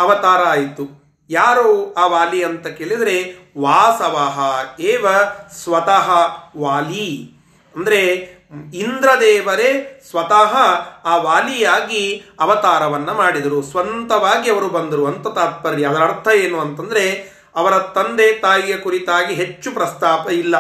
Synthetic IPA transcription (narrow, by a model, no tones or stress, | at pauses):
ɐʋɐt̪aːɾɐaːjt̪u | jaːɾoːaːʋaːlijɐnt̪ɐkeɭid̪ɐɾe̞ | ʋaːsɐʋaːɦɐeːʋɐsʋɐt̪ɐɦɐʋaːli | ɐnd̪ɐɾe̞ | ind̪ɾɐd̪ɛːʋɐɾesʋɐt̪aɦɐaːʋaːlijaːɡiɐʋɐt̪aːɾɐʋɐnːɐmaːɽid̪ɐɾusʋɐnt̪ɐʋaːɡiɐʋɐɾubɐnd̪ɐɾuɐnt̪ɐt̪aːt̪̚pɐɾɾiɐd̪ɐɾɐɾt̪ʰɐjeːnuɐnt̪ɐnd̪ɐɾe̞ | ɐʋɐɾɐt̪ɐnd̪et̪aːjijɐkuɾit̪aːɡiɦe̞t͡ʃːupɾɐst̪aːpɐilːɐ